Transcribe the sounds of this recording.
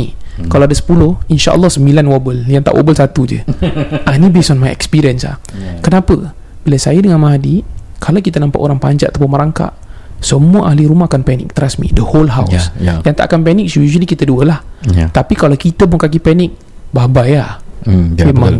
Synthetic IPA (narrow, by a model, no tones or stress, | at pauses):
ikalawadasə̥pulʊhinʃa̰ʔə̰lːɔhsəmbilanwabəljaŋt̪a̰ʔwʔo̰bəlsat̪ud͡ʒə̰ʔanibesɔnmajɛ̰kspiɾiənsa̰kənapə | b̥ilasajadəŋanmaɦadikʰalawkit̪anampa̰ʔoɾaŋpaɲd͡ʒaʔat̪apʊnməɾaŋka̰ʔ | səmuəʔaɦliɾumahakanpɛnɪ̰k̚t̪əɾasmḭdəholɦawsjaŋt̪a̰ʔa̰kanpɛnɪk̚sjuʒəlikit̪aduəlaht̪apikalawkit̪əbʊŋkak̬ipɛnɪk̚ | babaja | memãŋ